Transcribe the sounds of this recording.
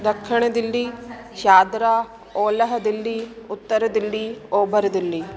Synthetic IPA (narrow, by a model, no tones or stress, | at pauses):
d̪ɐkʰʂɐɳɐd̪ilːi | ʃaːd̪ɾa | oːlɐɦɐd̪ɐlːiut̪ːɐɾɐd̪ɐlːioːbɐɾɐd̪ɐlːi